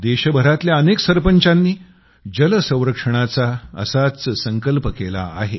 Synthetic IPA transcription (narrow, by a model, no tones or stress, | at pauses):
d̪eɕəbʱəɾat̪ljaəneksəɾpəɲt͡ɕanːiː | d͡ʑələsə̃w̃ɾəkʂəɳ̃at͡saə̰sat͡ssəŋkəlpəkela̰ːɦe